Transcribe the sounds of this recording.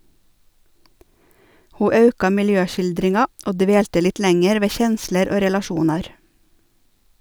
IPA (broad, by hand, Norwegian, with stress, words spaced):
ˈhuː ˈɑʉkɑ mɪlˈjøːˌʃɪldɾɪŋɑ ˈoː ˈdʋeːltə ˈlɪt ˈlɛŋɛɾ ˈʋeː ˈçɛnsləɾ ˈoː ɾɛlɑˈʃuːnɑɾ